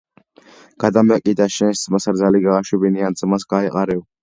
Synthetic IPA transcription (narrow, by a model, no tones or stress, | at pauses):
ɡ̥ad̪amɛkʼid̪aʃɛnsmasɾzaliɡaʁaʃubiniand̪zʼmasɡaiqʼaɾɛw